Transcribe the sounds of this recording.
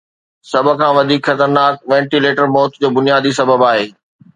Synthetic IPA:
sɐbʱə̆kʰãːʋɐd̪ʱiːkxɐt̪əɾnaːk̚ʋɛ̃ːɳʈileːʈəɾmɔːt̪d͡ʑoːbʊnijaːd̪isɐbəbaːɦeː

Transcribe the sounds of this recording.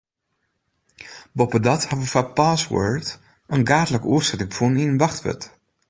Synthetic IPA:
bɔpədɑthɑʋəfapaːswœ̰ɹt | ənɡaːdələkuərsɛtɪŋfuninnʋɑχtʋə̰t

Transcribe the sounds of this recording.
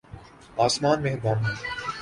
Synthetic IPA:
aːsmaːnmeɦd̪aːmɦɛː

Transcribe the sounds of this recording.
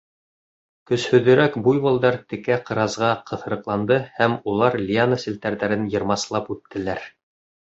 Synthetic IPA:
kɵ̆shɵ̆ðɘ̆ɾækbujβɤ̆lˠd̪ɑɾt̪ɘ̆kæqɤ̆ɾɑzʁɑqɤ̆θɤ̆ɾɤ̆qlˠɑnd̪ɤhæmulˠɑɾlʲianəsɘ̆lt̪æɾðæɾɘnjɤ̆ɾmɑslˠɑpʉt̪ːɘ̆læɾ

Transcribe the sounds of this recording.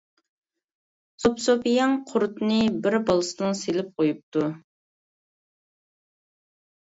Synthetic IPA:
sopsopijɑŋqʰʊɾt̪nɨbɪɾbɑlˠɨsɨnɨŋselɪp̚qʰojup̚t̪ʰu

